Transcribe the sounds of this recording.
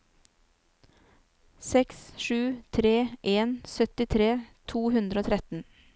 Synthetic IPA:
sɛksʃʉːt̪ʰɾeːʔeːnsœt̪ɪt̪ʰɾeːt̪ʰuːhʉnd̪ɾəoːt̪ʰɾɛt̪n̩

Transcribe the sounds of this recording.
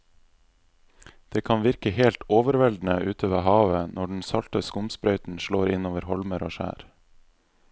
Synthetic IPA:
d̪̥eːkʰɑnʋɪɾkəheːlt̪oːʋəɾʋɛld̪n̩əʔʉːt̪ʰoːʋeɦɑːʋənʔɔɖɳ̩sɑlt̪əskʊmspɾœʏt̪n̩ʃɭoːɾɪnoːʋəɾhɔlməɾo̰ːʃæ̰ːɾ

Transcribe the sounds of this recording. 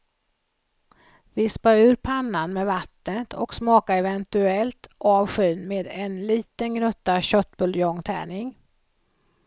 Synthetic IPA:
vɪspaʉ̟ːɾpʰanːanmeːvat̪nət̪ʰɔ̰ksmɑːkaɛvɛnt̪ɵɛlt̪ʔɑːvɧyːnmeːd̪ɛnliːt̪ənɡnɵt̪ːaɕœt̪ːbɵljɔŋt̪ʰɛ̰ːɳɪŋ

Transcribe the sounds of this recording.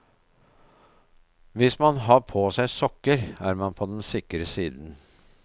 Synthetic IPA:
ʋɪsmɑnɦɑːpʰoːsæɪsɔkːəɾæːɾmɑnpʰoːd̪ɛnsɪkɾəsiːd̪n̩

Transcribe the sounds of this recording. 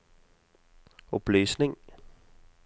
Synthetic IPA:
ɔb̥lyːsneŋ

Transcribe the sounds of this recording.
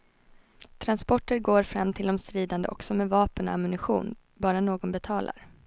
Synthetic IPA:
t̪ʰɾanspɔʈːəɾɡoːɾfɾamːt̪ʰɪld̪ɔmst̪ɾiːd̪and̪əʔɔ̰ksɔmeːvɑːpənɔ̰amʏnɪɧṵːn | bɑːɾanoːɡɔnbɛt̪ʰɑːlʔa̰ɾ

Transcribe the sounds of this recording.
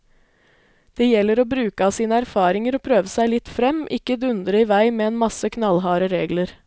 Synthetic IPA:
d̪̥eːjɛləɾoːbɾʉːkəɑːsiːnəæɾfɑːɾɪŋəɾoːpʰɾøːʋəsæɪlɪt̪fɾɛmʔɪkːəd̪ʉnd̪ɾəiːʋæɪmeːeːnmɑsəkʰnɑlɦɑːɾəɾeːɡləɾ

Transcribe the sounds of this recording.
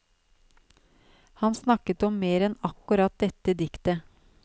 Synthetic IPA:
hɑnsnɑkət̪ɔmːeːɾɛnɑkːʉɾɑt̪̚d̪ɛt̪əd̪ɪkt̪ə

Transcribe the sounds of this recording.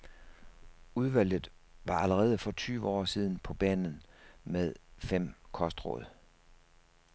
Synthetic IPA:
uð̞ˠʋæl̰ð̩ˠʋɑ̈ʔæləʁɛːð̞ˠəfɒ̽t͡sʰyːʊəɒ̰ːsiːð̞ˠn̩pʰɒ̽b̥ɛ̰ːnn̩meðˠfem̰kʰɒ̽sd̥ʁɔ̰ðˠ

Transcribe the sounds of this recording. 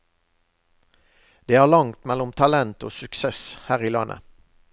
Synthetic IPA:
d̪̥eːhæːʁlɑŋt̪mɛlʊmt̪ʰɑlɛnt̪o̰ːsʉksɛshæːʁiːlɑnʔə̰

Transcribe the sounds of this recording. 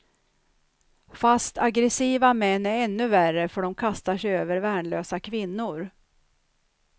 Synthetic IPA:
fast̪ʰaɡɾɛsiːvamɛnːæɾɛnːɵværəfœɖɔmkʰast̪aʂɛjøːvəɾvæːɳɭøːsakʰvɪnːʊɾ

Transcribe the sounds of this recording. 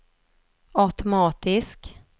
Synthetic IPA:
aʉt̪ʊmɑːt̪ɪsk

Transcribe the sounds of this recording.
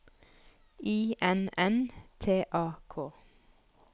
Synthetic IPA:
iːʔɛnɛnt̪ʰeːʔɑːkʰoː

